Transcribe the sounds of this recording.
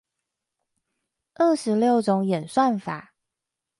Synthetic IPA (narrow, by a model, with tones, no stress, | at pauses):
ʔə˥˩ʂɻ̩˧˦ljo˥˩ʊʈ͡ʂʊ˧˦ŋjɛ˨˩nswa˥˨nfa̰˨˩˦